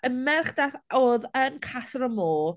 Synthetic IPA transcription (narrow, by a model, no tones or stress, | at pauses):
ənmɛrχd̥aθɔðənkʰasɾɔmoː